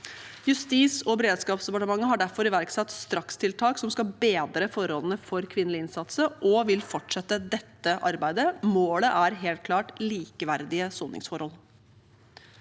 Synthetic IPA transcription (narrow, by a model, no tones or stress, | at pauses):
jʉst̪iːsɔbɛɾeːd̪skɑːpsd̪ɛpɑʈəmɑŋːəɦɑɖæɾfɔɾɪʋæɾksɑt̪st̪ɾɑkst̪ʰɪlt̪ʰɑːksɔmskɑbeːd̪ɾəfɔɾɔlnəfɔɾkʰʋɪnəlɪɪnsɑt̪səʔɔʋɪlfɔʈʂɛt̪ːəd̪ɛt̪ːəʔɑɾbæɪd̪əmoːləʔæɾɦeːlt̪̚kʰlɑːʈliːkəʋæɾd̪ɪəsoːnɪ̰ŋsfɔɾhɔl